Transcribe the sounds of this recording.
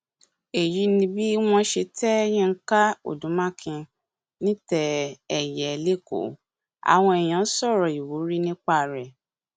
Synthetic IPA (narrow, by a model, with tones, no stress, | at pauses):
e˨ji˨˦nĩ˧bi˦w̃ɔ̃˧ʃe˧tɛ˦j̃ĩ˦˧ŋ̩˦ka˦o̰˨dũ˨˦mã˦˨kʰĩ˧ | nĩ˦tɛ˦ɛ˨jɛ˨˦le˦˨ko̰˨˦ | a̰˨w̃ɔ̃˧ɛ˨j̃ã˨˦sɔ˦˨ɾɔ˨i˨wu˨˦ɾi˦nĩ˦k͡pa˦˨ɾɛ˨